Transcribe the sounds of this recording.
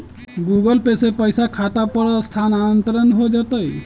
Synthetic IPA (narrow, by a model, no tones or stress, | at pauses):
ɡuːɡəlpesepəjsakʰaːt̪apəɽast̪ʰaːnanənt̪ɾənɦod͡ʒat̪əj